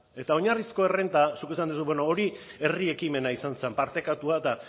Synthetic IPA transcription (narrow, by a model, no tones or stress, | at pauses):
e̞t̪ao̞ɲarisko̞e̞re̞nt̪asukis̬and̪us̬ubeno̞oɾie̞rie̞kime̞naisanse̞mpaɾt̪e̞kat̪uat̪a